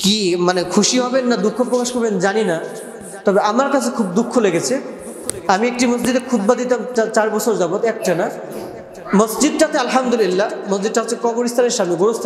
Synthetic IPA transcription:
kimanekʰuʃiɦɔbenːad̪ukʰːopɾokaʃkɔɾbend͡ʑanina | t̪ɔbeamaɾkat͡ɕʰekʰub̚d̪ukʰːoleɡet͡ɕʰe | amiek̚ʈimʌs̬d͡ʑid̪ekʰud̪̚bad̪it̪amat͡ɕaɾbɔt͡ɕʰoɾd͡ʑabot̪ɛk̚ʈana | məsd͡ʑid̪̚ʈat̪ealɦamd̪ulilːaməsd͡ʑid̪̚ʈaɦot͡ɕʰːekɔɡoɾist̪ʰaneɾʃamneɡoɾost̪ʰ

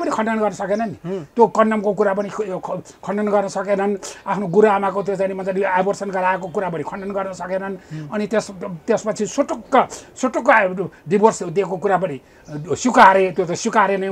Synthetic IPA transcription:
pʌnikʰʌɳɖʌnɡʌrnʌsʌkenʌnit̪jokʌnɖʌmkokuɾap̬ʌnikʰ | kʰʌɳɖʌnɡʌrnʌsʌkenʌnapʰnoɡuɾamakot̪̬jot͡sajnimʌnt͡saiabʱʌrsʌnɡʌɾaekokuɾap̬ʌnikʰʌɳɖʌnɡʌrnʌsʌkenʌnʌnit̪est̪espʌt͡sʰisoʈokːʌsoʈokːɖibʱʌrsd̪ekokuɾapʌni | sukaɾet̪jot̪ʌsjukaɾenʌ

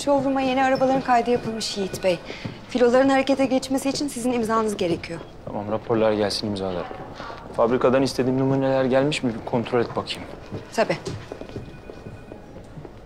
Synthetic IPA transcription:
ʃo̞vɾumajeniaɾabalˠaɾɯnkʰajd̪ɯjapʰɯlˠmɯʃjijit̪bɛjfilʲo̞lˠaɾɯnhaɾe̞ce̞t̪ʰɛɟɛt͡ʃmesiːt͡ʃʰinsizinimzaːnɯzɟe̞ɾecʰijo̞ | t̪ʰa̰mamɾapʰo̞ɾlˠaɾɟælʲsinimzalˠa̰ɾ | fabɾikʰad̪anist̪ʰe̞d̪iːmnumunelʲæɾɟælʲmiʃmibkʰo̞nt̪ʰɾo̞lʲɛt̪̚bakʰɯjmt̪ʰabiː

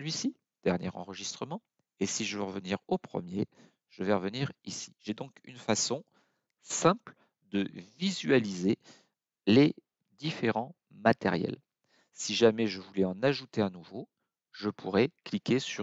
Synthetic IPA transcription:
əlɥisi | d̪̥ɛʁnjɛʁɑ̰̃ʁəʒist̪χəmɑ̃ | esiʒəvəʁəvəniʁopχə̰mje | ʒ̥əvɛʁəvəniʁisi̥ʒed̪ɔ̃kynfasɔ̃ | sɛ̃pl | d̪əvizɥalize | le | d̪ifeʁɑ̃ | mat̪ḛʁjɛ̰l | siʒamɛʒəvulɛɑ̃naʒut̪eanuvo | ʒəpʰuʁɛklikʲesy

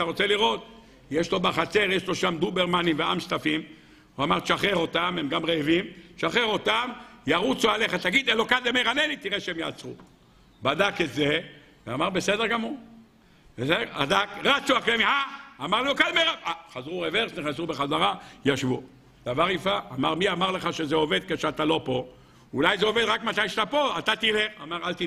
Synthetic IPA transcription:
aʁo̞t͡seliʁo̞t̪̚ | jeʃlo̞baχat͡se̞ʁjeʃlo̞ʃamd̪ubeʁmanimveamʃt̪afim | uamaʁʃaχeʁo̞t̪amhemɡamʁeevimʃaχeʁo̞t̪amjaʁut͡soale̞χat̪aɡid̪elokad̪emejʁanelit̪iʁeʃeemja̰ːt͡sʁu | bad̪aket̪ze | veamaʁbe̞sed̪eʁɡamu | bsea̰d̪akʁat͡suaklemihaːmaʁlokalmejʁaaχazʁuʁeveʁsniχnasubeχazaʁajaʃvu | d̪̥avaʁifaːmaʁmiamaʁleχaʃezeo̞ve̞d̪̚keʃeat̪alo̞po̞ | ulajzeoved̪ʁakmat̪ajʃat̪apo̞at̪at̪ilea̰maʁalt̪i

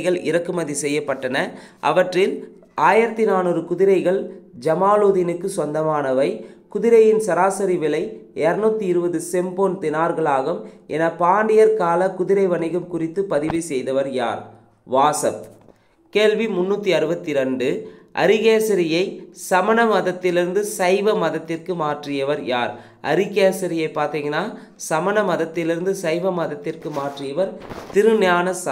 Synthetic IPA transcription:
ɣɐɭɪ̰ɾɐkːɯmɐðisɛjːɐpːɐʈːɐnɐʔɐ̰ʋɐʈrɪl | aːjɪɾɐt̪ːinaːnɔɾɯkʊðɪɾɐɪɣɐɭd͡ʒɐmaːloːðɪnɯkːɯsʋɐnd̪ɐmaːnɐʋɐɪkʊðɪɾɐjɪnsɐɾaːsɐɾɪʋɪlɐɪɛɾnuːt̪ːiɪɾɯbɐðɯsɛmboːnt̪ɪnaːɾɣɐɭaːɣɯmʔɛnɐpaːɳɖɪjɐɾkaːlɐkʊðɪɾɐɪʋɐɳɐɣɯmkʊrɪt̪ːɯpɐðɪʋisɛjðɐʋɐɾja̰ːɾ | ʋaːsɐp | keːlʋimʊnːuːt̪ːiɐɾɯbɐt̪ːiɾɐɳɖɯʔɐ̰ɾɪɣeːsɐɾɪjɐɪsɐmɐnɐmɐðɐt̪ːɪlɪɾɯnd̪ɯsɐɪʋɐmɐðɐt̪ːɪrkɯmaːʈrɪjɐʋɐɾjaːɾ | ʔɐ̰ɾɪɣeːsɐɾɪjɐɪpːaːɾt̪iːŋɡɐnːaː | sɐmɐnɐmɐðɐt̪ːɪlɪɾɯnd̪ɯsɐɪʋɐmɐðɐt̪ːɪrkɯmaːʈrɪjɐʋɐɾt̪ɪɾɯnjaːnɐsɐ

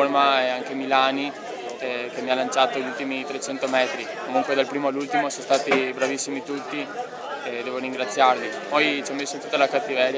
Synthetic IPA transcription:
ormaɛaŋkemilaːni | ɛk̟emialant͡ʃaːt̪oʎult̪imit̪ɾet͡ʃɛnt̪omɛːt̪ɾikkomuŋkwed̪alpɾiːmoalːult̪imosõmst̪aːt̪ibɾavisːimit̪ut̪ːi | ɛd̪ɛːvoɾiŋɡɾat̪sːjarmipɔjt͡ʃiamːesːot̪ut̪ːalakat̪ːivɛːɾj

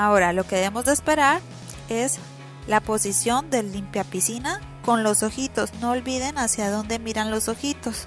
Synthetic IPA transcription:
ao̞ɾalo̞ke̞ðeemo̞zðeːspe̞ɾaɾ | e̞s | lapo̞sisjo̞nd̪e̞limpjapisina | ko̞nlo̞so̞xit̪o̞sno̞ːlβiðe̞nasjaðo̞nd̪e̞miɾanlo̞so̞xit̪o̞s

